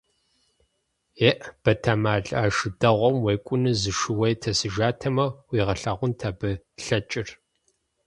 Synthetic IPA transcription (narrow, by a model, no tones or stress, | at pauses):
eʔb̥ɐtʰaːmaːɮaːʃɨdɐʁʷɔmweːkʷʼʊnɨzɨʃɨwɐjtʰɐsɨʒaːtʰɐmɐwiːʁɐɬɐʁʷʊntʰaːbɨ | ɬɐt͡ʃʼɪr